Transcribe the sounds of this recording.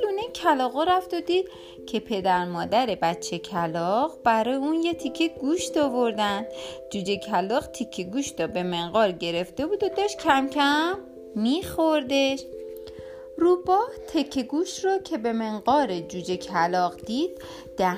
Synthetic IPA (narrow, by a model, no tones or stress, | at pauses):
luːnecʰælɒːɣoɾæft̪od̪iːd̪̥ | cʰe̞pʰe̞d̪æɾmɒːd̪æɾe̞bæt͡ʃʰːe̞cʰælɒʁbæɾɒːjeunjet̪ʰikʰːeɡuːʃt̪ɒvoɾd̪ænd̪d͡ʒuːd͡ʒecʰælɒːqt̪ʰicʰːeɡuːʃɾɒbe̞me̞ŋɢɒɾɟe̞ɾe̞ft̪e̞buːd̪od̪ɒʃtcʰæmcʰæmː | iːxoɾd̪eʃ | ruːbɒːht̪ʰecʰːeɡuːʃrɔcʰe̞be̞meŋɢɒːɾed͡ʒuːd͡ʒecʰælɒɣd̪̥iːd̪̥̚ː | æ